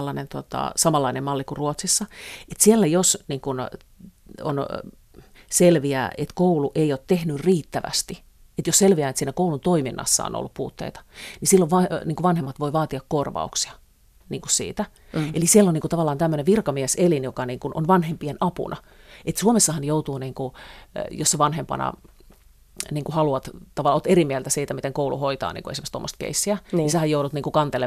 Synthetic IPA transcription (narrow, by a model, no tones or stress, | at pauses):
lːɑnent̪uot̪ɑ̰sɑmɑlːɑinemmɑlːikuruot̪sisːɑet̪sielːæjosniːŋkun | o̰n | selʋiæ̰ːʔet̪kouluʔeioːt̪t̪ehnyrriːt̪ːæʋæ̰st̪i | et̪josselʋiæːnet̪siːnækoulunt̪oiminːɑ̰sːɑ̰o̰no̰lːuppṵːt̪ːḛit̪ɑ̥nisilːoʋʋɑniŋkuʋʋɑnhemːɑt̪ʋoiʋɑːt̪iɑkkorʋɑ̰uksiɑ | niːŋkussḭːt̪æ | elisielːoniːŋkut̪ɑʋɑlːɑːnt̪æmːøneʋʋirkɑmieselinjokɑniːŋkuno̰nʋɑnhempienʔɑpṵnʔɑ̰ | et̪suomesːɑhɑnjout̪uːniːŋkujosːeʋɑnhempɑ̰nɑ̰ | niːŋkuhɑluɑt̪t̪ɑʋɑlːoːt̪erimiɛlt̪æsiːt̪æmit̪eŋkoulṵhoit̪ɑ̰ːnḭŋkuesimːst̪o̰mːost̪̚kḛisːiænisehæjoudut̪niːŋkukɑnt̪ele